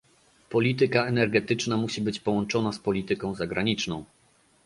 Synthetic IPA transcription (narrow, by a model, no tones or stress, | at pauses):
pɔlʲit̪̬ɘkaɛnɛɾɡɛt̪ɘt͡ʂnamuɕibɘt͡ɕpɔwɔnt͡ʂɔnaspɔlʲit̪ɘkɔ̃w̃zaɡɾaɲit͡ʂnɔ̃w̃